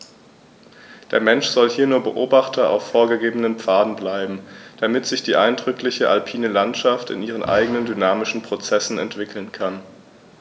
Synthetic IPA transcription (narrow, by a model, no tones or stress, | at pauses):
d̥eːɐmɛnʃz̥ɔlhiːɐnuːɐbəʔoːbaχtʰɐa̰ʊfːoːɐɡəɡeːbənənpp͡faːdn̩blaɪbm̩d̥amɪtz̥ɪçd̥iːʔaɪndʁʏklɪçəʔalpʰiːnəlantʃaftɪ̰nʔiːʁ̞ənʔa̰ɪɡənəndynaːmɪʃn̩pʁ̥ot͡sɛsn̩ɛ̰ntv̥ɪkʰl̩nkʰan